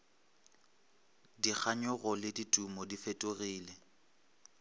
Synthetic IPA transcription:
dik͡xʰaɲʊɣɔlɪditʼumɔdifetʼoɣiːlɛ

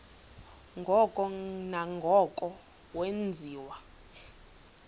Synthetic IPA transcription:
ŋɡʱɔkʼɔnaŋɡʱɔkʼɔ | wend͡zʱiːwa

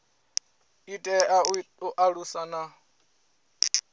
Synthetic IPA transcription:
itʼɛauʔaɺusana

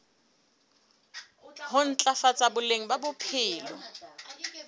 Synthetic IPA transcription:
hʊn̩t͡ɬʼafat͡sʼabʊleŋ̩babʊpʰɪːlɔ̰

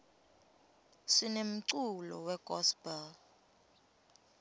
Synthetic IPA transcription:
ʂinem̩ǀulɔ̰wɛkʼɔsbɛl

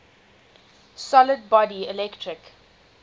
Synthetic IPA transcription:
sɔləd̚bɔdiɪlɛktʰɹɪk

